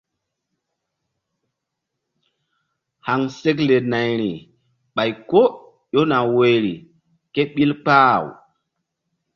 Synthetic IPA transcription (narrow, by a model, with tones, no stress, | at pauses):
ha˨ŋse˦k̬le˨na˨jɾḭ˨ | ɓa˨jko˦ | jo˦na˨we˨ɾḭ˨ | ke˦ɓi˦lk͡paː˦˨w